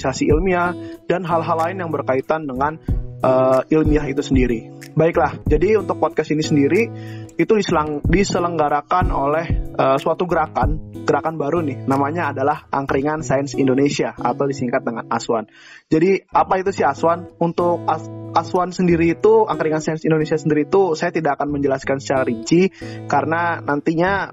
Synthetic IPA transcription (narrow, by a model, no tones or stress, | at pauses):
isasiʔilmiahdanɦalɦalːaɪnjaŋbərkait̪andəŋanʔəilmiaɦit̪usəndiɾibaɪklahd͡ʒadiunt̪ʊk̚pɔd̚kasinisəndiɾiit̪udisəlaŋdisələŋɡaɾakano̰lɛhəsuat̪uɡəɾakanɡ̥əɾakanbaɾunɪhnamaɲaːdalahʔaŋkɾiŋansajənsindonesiaa̰t̪awdisiŋkat̪̚dəŋana̰suwan | d͡ʒadiapait̪usɪhaswanunt̪ʊk̚aaswansəndiɾiːt̪uaŋkəɾiŋansajənsindonesiasəndiɾiːt̪usajat̪idaʔakanməɲd͡ʒəlaskansə̥t͡ʃaɾaɾit͡ʃikaɾənanant̪iɲa